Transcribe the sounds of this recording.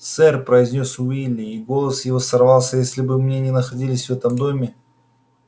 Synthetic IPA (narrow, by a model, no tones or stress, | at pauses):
t̪sɛrpɾəɪzʲnʲo̞sʊilʲɪiɡo̞lˠəsjɪvo̞sɐrvɑlˠsʲəjesʲlʲɪbɨmnʲenʲɪnəxɐdʲilʲɪsʲvɛt̪əmd̪o̞mʲɪ